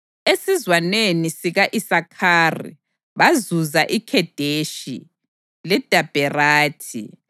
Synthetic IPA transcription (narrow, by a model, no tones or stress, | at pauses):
esizwanenisiɣaʔisakʰaːrḭ | βazuzaʔikʰɛd̥ʱeʃḭ | lɛd̥ʱab̥ʱɛraːtʰḭ